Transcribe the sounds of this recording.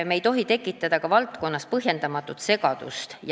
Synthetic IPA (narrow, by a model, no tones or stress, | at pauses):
mejt̪o̞ɦit̪e̞kːˑit̪ːˑɑd̪̥ɑkɑvɑlt̪ˑko̞nːɑspɤɦje̞nd̪̥ɑmɑt̪ːˑut̪se̞ɡ̥ɑd̪̥ṵst̪j